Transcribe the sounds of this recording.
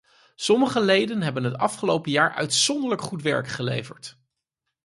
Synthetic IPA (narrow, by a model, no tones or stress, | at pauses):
sɔməχəlejdənɦɛbənɦətɑfχəlowpəjaːɹʔœ̰ɥtsɔndələkχutʋɛ̰ɹkχəlḛjvə̰ɹt